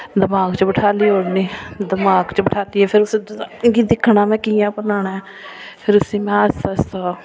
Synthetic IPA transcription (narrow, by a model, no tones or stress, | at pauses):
d̪əmaːɡt͡ʃbəʈʰaːliːɦoːɽniːd̪əmaːɡt͡ʃbəʈʰaːt̪iːɦɛːpʰɪɾʊsɡid̪ɪkʰːɳaːmɛ̃ːkijãːpənaːɳaɛː | pʰɪɾʊsĩːmɛ̃əst̪aːst̪aː